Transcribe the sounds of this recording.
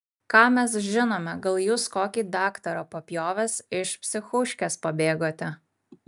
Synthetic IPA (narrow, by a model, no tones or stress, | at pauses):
kɑːmʲɛs̬ʒʲɪnoːmʲɛɡɐlˠjuːskoːkʲiːd̪ɑːkt̪ɐɾoːpɐpʲjoːʋʲɛsɪʃpʲsʲɪxʊʃʲkʲɛspɐbʲeːɡoːt̪ʲɛ